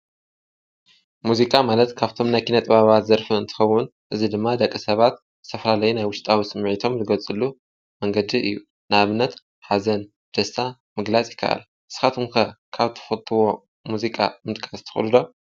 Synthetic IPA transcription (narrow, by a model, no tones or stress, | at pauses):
muzikʼamalɐt̪kʰaβt̪ʰo̞mnajkʰinɐt̪ʼɨβaβat̪zɐɾfuɨnt̪ʰɨ̥xɐwːʊnʔɨzid̪ɨmːad̪ɐkʼːɨsɐβat̪ | zɨt̪ʰɐfɐlalɐjunajwʊʃt̪ʼawisɨmːʕit̪ʰo̞mzɨɡɐlt͡sʼɨlːu | mɐŋɡɐd̪iɨ̰jːu | naβɨnːɐt̪ | ħazɐn | d̪̥ɐst̪a | mɨɡlat͡sʼjɪ̥kʰːa̰ʔa̰l | ʔɨsɨ̥xat̪ʰomkʰɐkʰaβt̪ʰɨ̥xɐt̪ʰʼːɨwo̞ | muzikʼa̰mɨt̪ʼkʰʼast̪ʰɨ̥xɨ̰lɨd̪o̞